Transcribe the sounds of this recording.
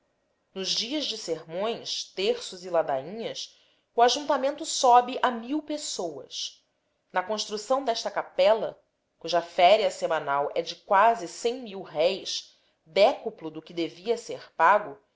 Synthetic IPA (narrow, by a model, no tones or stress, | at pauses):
nʊzd͡ʒiɐzd͡ʒɪseɾmõj̃st̪eɾsʊzilad̪aĩɲɐs | uaʒũt̪amẽnt̪ʊsɔbɪʔamiwpesowɐ̰s | nɐkõʃt̪ɾusɐ̃w̃d̪ɛʃt̪ɐkapɛlɐ | kuʒɐfɛɾiɐsemɐ̃nawʔɛd͡ʒɪkwazɪsẽj̃miwɦɛjʃ | d̪ɛkuplʊd̪ʊkɪd̪eviɐseɾpaɡʊ